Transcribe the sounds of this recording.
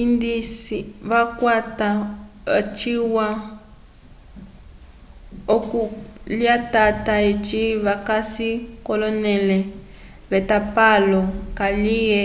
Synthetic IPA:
indisiβakwata | t͡ʃiwa | okuliatataet͡ʃiβakasikɔlɔnɛlɛ | βɛtapalɔkaliɛ

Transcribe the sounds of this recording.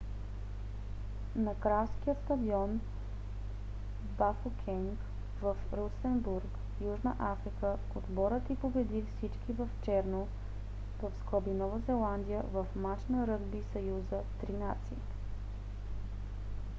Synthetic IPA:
nɐkɾalˠskijət̪st̪ɐd̪iɔn | bafokʲʰɛŋk | vɐfɾusɛnbuɾk | juʒnəʔafɾikə | od̪bɔɾət̪ipobɛd̪ifsit͡ʃkivɐft͡ʃɛɾno | vɐfsklˠəbinɔvəzɛlˠand̪ijəvɐfmat͡ʃnəɾɤd̪bisɐjuzət̪ɾinat̪sḭ

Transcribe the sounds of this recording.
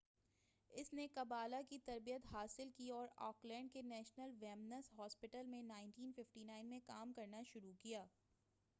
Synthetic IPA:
ɪsnekɐbaːlakit̪ɐɾbijət̪ɦaːsɪlkiɔːɾɔːklɛ̃ːɳɖ̚kenɛːʃnəlʋɛːmnəsɦɔːspɪʈəlmẽnaːɪɳʈiːnfɪfʈinaːɪnmẽkaːmkɐɾnaʃʊɾukijaː

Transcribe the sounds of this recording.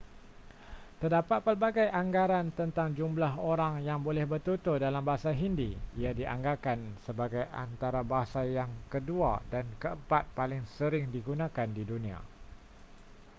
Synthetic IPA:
t̪ərdapat̪̚pərbaɡajʔaŋɡaɾant̪ənt̪aŋd͡ʒumblaɦoɾaŋjaŋbolɛhbərt̪ut̪ʊhdalambaɦasaɦindiiadiʔa̰ŋɡakansəbaɡajʔa̰nt̪aɾabaɦasajaŋkəduadankəəmpat̪̚palɪŋsəɾɪŋdiɡunãkandidunĩa̰

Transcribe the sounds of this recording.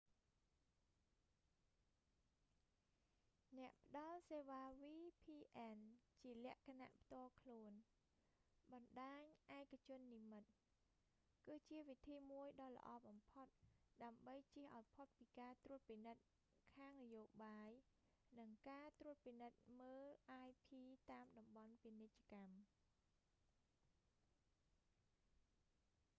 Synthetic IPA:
nɛ̆əʔpə̆ɗɑlseːʋaːʋiːpʰiːʔɛnt͡ɕiəlɛ̆əʔkʰana̰ʔpʰt̪ŏəlkʰluən | ɓɑnɗaːɲʔaɛkat͡ɕʊ̆ənːiːmɨt̪̚ | kɨːt͡ɕiəʋit̪ʰiːmuəjɗɑːlə̰̆ʔɑːɓɑmpʰot̪̚ɗaəmɓəjt͡ɕiəhʔaɔjpʰot̪̚piːkaːt̪ruət̪̚pinɨt̪̚ | kʰaːŋnajoːɓaːj | nɨŋkaːt̪ɾrŭət̪̚pinɨt̪̚məːllʔaːjpʰiːt̪aːmɗɑmɓɑnpinec̚t͡ɕə̆kam

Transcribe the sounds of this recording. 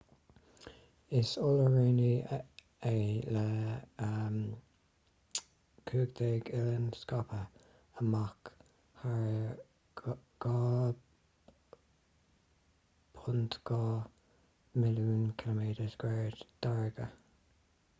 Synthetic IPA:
ɪsʊləɹeːni | eləəm | kʰuːɡd̪eːɡɪlənskɑpʰə | əmak | haɹ | ɡ̥ɑː | pʰʊnt̪ɡ̥ɑː | mɪluːnkʰɪləmeːd̪əsɡ̥wɛːɹd̪d̪̥aɹɡə

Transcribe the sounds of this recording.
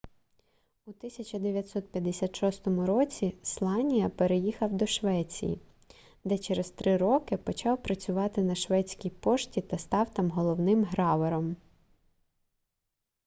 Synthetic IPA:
ut̪ɪsʲɐt͡ʃɐd̪eʋʲjɐt̪sɔt̪̚pʲjɐd̪esʲat̪ʃɔst̪ɔmʊɾɔt͡sʲislˠɑnʲijɐpeɾejixɐwd̪ɔʃʋɛt͡sʲḭjḭ | d̪ɛt͡ʃeɾest̪ɾɪɾɔkɪpɔt͡ʃɑwpɾɐt͡sʲʊʋɑt̪ɪnɐʃʋɛt͡sʲkʲijpɔʃtʲit̪ɐst̪ɑwt̪ɑmɦɔlˠɔwnɪmɦɾɑʋɔɾɔm

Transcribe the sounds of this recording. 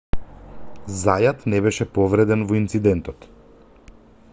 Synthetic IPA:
zajat̪nɛbɛʃɛpɔvɾɛd̪ɛnvɔint̪sid̪ɛnt̪ɔt̪

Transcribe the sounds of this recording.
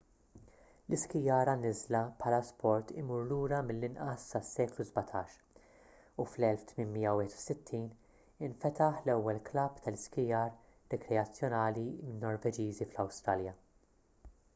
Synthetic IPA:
lɪskɪjɐːɾɐnɪzlɐpħɐlɐspʰɔɾt̪ɪmuːɾluːɾɐmɪlːɪnʔɐsːɐsːɛːkluzbɐt̪ʰɐːʃ | uflɛlft̪mɪnmijːɐwɪːħɛt̪u̥sɪt̪ʰːiːn | ɪɱfɛt̪ɐħlɛwːɛlklɐbt̪ɐlɪskɪjɐɾː | ɛkɾɛɐt͡sːjɔnɐːlimɪnːɔɾvɛd͡ʒiːziflɐwst̪ɾɐljɐ

